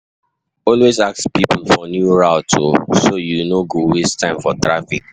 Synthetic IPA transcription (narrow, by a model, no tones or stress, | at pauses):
ɔlwezakspipl̩fɔnjuɹaʊtʰosojunoɡowestʰãɪ̃mfɔtɹafik̚